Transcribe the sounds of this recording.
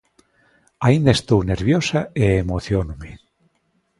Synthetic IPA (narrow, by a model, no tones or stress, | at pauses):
aind̪aest̪owneɾβjosaeemoθjonume